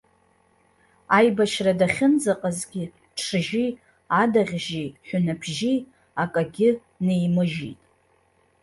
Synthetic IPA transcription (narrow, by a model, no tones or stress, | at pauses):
ajbaʃradaχʲɪnd͡zaqʼazɡʲɪ | ʈ͡ʂʰɨʒi | adaʁʲʒiħʷᶣʊnabʰʒi | akʼaɡʲɪ | nejmɨʒḭtʼ